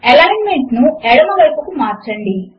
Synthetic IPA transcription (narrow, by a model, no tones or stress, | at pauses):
ɛlɐjnmeɳʈnuɛɽɐmɐʋɐjpɐkumaːɾt͡ʃɐɳɖi